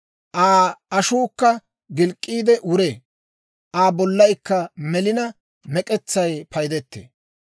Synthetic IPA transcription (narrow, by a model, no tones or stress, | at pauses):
ʔaːɐʃuːkːɐ | ɡɪlkʼːiːd̪ɛʔʊɾeː | ʔaːbɔlːɐjkːɐmɛlɪnɐ | mɛkʼɛt͡sːɐjpʰɐjd̪ɛt̪ːḛː